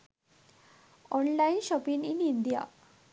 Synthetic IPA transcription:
ɔnlainɕɔpininind̪ija̰

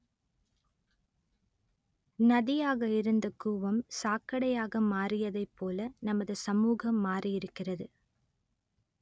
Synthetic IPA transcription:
nɐðɪjaːɣɐɪɾɯnd̪ɐkuːʋɐmsaːkɐɽɐjaːɣɐmaːrɪjɐðɐɪpːoːlɐnɐmɐðɯsɐmuːɣɐmːaːrɪjɪɾɯkːɪrɐðɯ

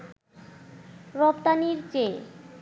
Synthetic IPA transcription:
ɾɔpt̪aniɾt͡ɕe

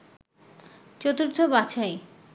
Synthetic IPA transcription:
t͡ɕot̪uɾt̪ʰobat͡ɕʰaj

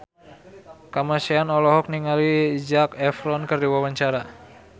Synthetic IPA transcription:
kamasianɔlɔɦɔk̚niŋalid͡ʒakɛfɾɔnkərdiwawaɲt͡ʃaɾa

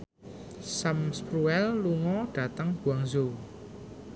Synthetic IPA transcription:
samspɾuɛlːuŋɔɖ̥ä̤t̪əŋb̥uwaŋzo

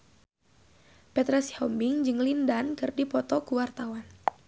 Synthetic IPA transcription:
pɛt̪ɾɛsihɔmbiŋd͡ʒɨŋlindankɨrdipɔt̪ɔkuwart̪awan

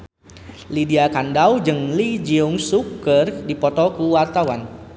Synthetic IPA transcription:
lidiakandawd͡ʒɨŋlid͡ʒiʊŋsukərdipɔt̪ɔkuwart̪awan

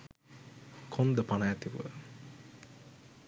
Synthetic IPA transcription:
kʰond̪əpanajɛt̪iʋuʋə̰

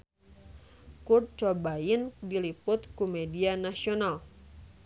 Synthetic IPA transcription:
kur̚t͡ʃɔbajindilipʊt̪kumɛdianasional

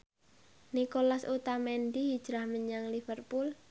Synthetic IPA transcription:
nikolasut̪amɛnd̪ihid̥ʒ̥ɾahməɲaŋlifərpul

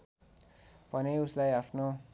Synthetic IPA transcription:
pʌneuslajapʰno

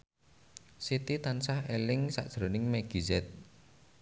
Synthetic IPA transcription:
sit̪it̪ansahelɪŋsa̰ʔd̥ʒ̥ɾonɪŋmɛɡ̥izɛt̪̚

